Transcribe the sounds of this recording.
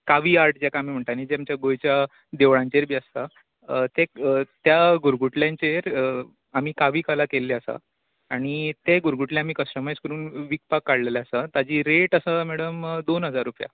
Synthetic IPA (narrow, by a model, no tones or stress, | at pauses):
kaʋiːaɾʈd͡ʑakãːmiːm̤əɳt̪anid͡ʑeamt͡ɕjaɡojt͡ɕja | d̪eʋɭãɲt͡ɕeɾbʱiːəst̪a | t̪et̪jaɡuɾɡuʈljãɲt͡ɕeɾ | am̤iːkaʋiːkalakelːeəsa̰ | aɽ̃it̪eɡuɾɡuʈleamiːkəsʈəmajd͡zkəɾuːnʋik̚pakːaɽleleəsat̪ad͡ʑiːɾeʈəsəmɛɽəmd̪onɦəd͡zaɾːupja̰